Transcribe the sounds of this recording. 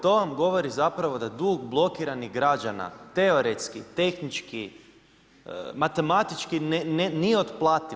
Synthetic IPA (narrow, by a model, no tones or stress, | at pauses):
t̪o̞ʋamɡo̞ʋo̞ɾizapɾaʋo̞d̪ad̪uɡblˠo̞kiɾaniɣɡɾad͡ʒana̰t̪e̞o̞ɾet̪skit̪e̞xnit͡ʃki | mat̪e̞mat̪it͡ʃkinnenieot̪plˠaːt̪i